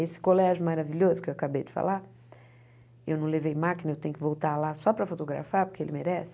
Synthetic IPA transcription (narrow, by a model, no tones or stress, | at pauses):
esɪ̥kolɛʒʊmaɾaviʎozʊkɪewakabejd͡ʒɪfa̰la | ewnɐ̃w̃levejmakinɐewt̪ẽjʊkɪvowt̪aɾlasɔpɾɐfot̪oɡɾa̰faɾpʊɾkeelɪmeɾɛsɪ̥